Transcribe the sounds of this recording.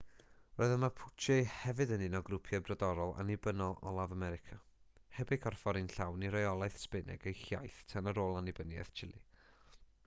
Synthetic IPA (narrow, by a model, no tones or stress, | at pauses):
roɨðəmapʰʊt͡ʃʰɛhɛvɨdənɪnɔɡrʊpʰjɛbrɔdɔɾɔlˠa̰nɪbənɔlˠɔ̰lˠavamɛɾɪkʰahɛbɪkʰɔrfɔɾɨnɬawniɾajɔlˠajθspɪnɛ̰ɡejxja̰jθtʰanəɾoːlˠanɪbənjɛ̰θt͡ʃʰɪlˠḭ